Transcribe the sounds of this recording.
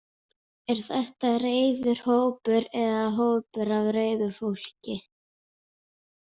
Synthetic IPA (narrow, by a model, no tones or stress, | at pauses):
ɛɾ̥θɛht̪areːjðʏɾ̥hoːwpʏɾɛðaɦoːwpʏɾavreːjðʏfowl̥cɪ